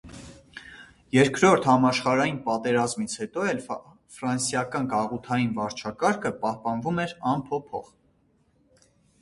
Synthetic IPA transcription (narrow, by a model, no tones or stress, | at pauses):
jɛɾkɾɔɾt̪ʰhɑmɑʃχɑɾɑjinpɑt̪ɛɾɑzmit͡sʰhɛt̪ɔɛl | fɾɑnsjɑkɑnɡɑʁut̪ʰɑjinvɑɾt͡ʃʰɑkɑɾkʰəpɑhpɑnvumɛɾɑnpʰɔpʰɔ̰χ